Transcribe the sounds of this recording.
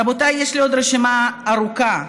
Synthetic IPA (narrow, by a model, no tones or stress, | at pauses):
abot̪ajjeʃlio̞d̪ɾeʃimaːɾuka